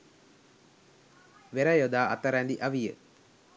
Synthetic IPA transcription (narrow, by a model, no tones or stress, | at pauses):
ʋeɾɐjod̪aːʔɐt̪əɾænd̪iʔaʋijə̰